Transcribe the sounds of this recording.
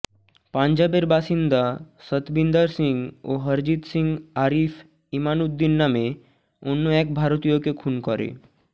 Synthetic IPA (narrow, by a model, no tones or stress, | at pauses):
paɲd͡ʑabeɾbaʃind̪asət̪bind̪əɾsiŋɡoɦəɾd͡ʑit̪siŋɡaɾif | imanud̪ːinːame | onːoɛkbʱaɾot̪ijokekʰunkɔɾḛ